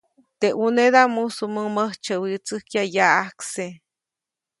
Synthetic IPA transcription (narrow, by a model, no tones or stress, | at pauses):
t̪eʔuneðamusuməməht͡ʃəwit͡sɨhkjajaʔahkse